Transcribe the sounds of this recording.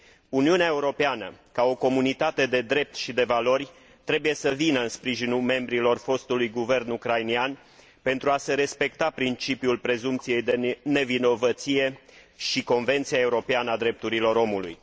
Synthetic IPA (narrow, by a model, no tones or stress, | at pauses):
uniuneaeuɾo̞peanə̰kao̞ko̞munit̪at̪e̞d̪e̞d̪ɾe̞p̚t̪ʃid̪e̞valo̞rʲ | t̪ɾe̞buje̞səvinəɨnspɾiʒinulme̞mbɾilo̞rfo̞st̪ulujɡuve̞rnukɾajnian | pe̞nt̪ɾuase̞ɾe̞spe̞k̚t̪apɾint͡ʃipijulpɾe̞zumpt̪sije̞jd̪e̞ne̞vino̞vət̪sije̞ | ʃiko̞nve̞nt̪siae̞uɾo̞peanəad̪ɾe̞p̚t̪uɾilo̞ɾo̞mulṵj